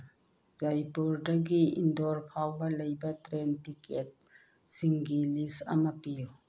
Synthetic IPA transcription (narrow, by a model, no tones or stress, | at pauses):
zajpuɾdɐɡiḭndoɾpʰawbɐlɐjbɐtɾentiket̚ | siŋɡilisɐ̰mɐpiju